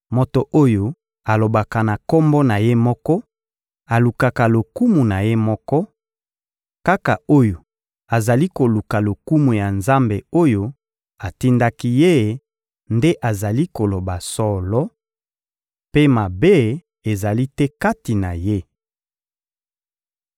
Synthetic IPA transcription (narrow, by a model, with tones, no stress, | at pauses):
mo˨to˨ʔo˦jo˦ | a˨lo˨ba˨ka˨na˨ko˦mbɔ˦na˨je˦mɔ˦kɔ˦ | a˨lu˨ka˨ka˨lo˨ku˦mu˨na˨je˦mɔ˦kɔ˦ | ka˦ka˨o˦jo˨ | a˨za˨li˦ko˨lu˨ka˨lo˨ku˦mu˨ja˨nza˦mbe˨o˦jo˦ | a˨ti˦nda˦ki˦je˦˨ | nde˦ʔa˨za˨li˦ko˨lo˨ba˨sɔ˨lɔ˦ | pe˦ma˨be˦˨ | e˨za˨li˦tɛ˦ka˦ti˨na˨je˦